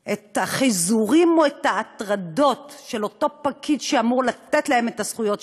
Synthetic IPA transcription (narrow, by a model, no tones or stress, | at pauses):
ʔet̪aχizuʁimo̞et̪haːt̪ʁado̞tʃelo̞to̞pakʰidʃeamuʁlat̪etlae̞met̪asχujo̞t